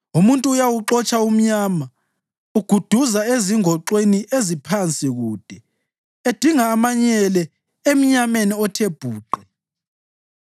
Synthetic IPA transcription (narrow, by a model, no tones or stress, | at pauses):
umuntʼuːjawuǁɔt͡ʃʼaum̩ɲaːma | uɡ̥ʱud̥ʱuzaeziŋɔǃweniʔezipʰant͡sʼiɣuːd̥ʱɛ | ed̥ʱiŋaːmaɲɛlɛ | em̩ɲameniɔtʰeb̥ʱuːǃɛ